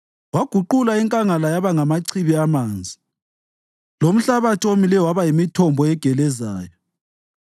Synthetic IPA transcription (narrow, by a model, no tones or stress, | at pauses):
waɡ̥ʱuǃulaiŋkʼaŋalajaβaŋamaǀʰiβiamaːnd͡zʱi | lom̩ɬaβatʰiomilɛwaβajimitʰɔmbʱɔɛɡ̥ʱɛlɛzaːjɔ